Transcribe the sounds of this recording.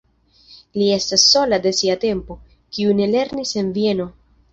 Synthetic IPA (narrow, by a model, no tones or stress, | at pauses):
lie̞stasːo̞lade̞siate̞mpo̞ | kiune̞le̞ɾnise̞nvie̞no̞